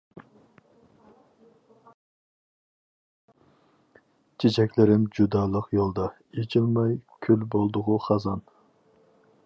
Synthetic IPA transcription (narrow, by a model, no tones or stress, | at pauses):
t͡ʃʰet͡ʃʰɛkʲlɪɾɪmd͡ʒud̪ɑːlˠəqjolˠd̪ɑ | et͡ʃʰilˠmɑjkʲʰylbolˠd̪ʊʁʊχɑzɑn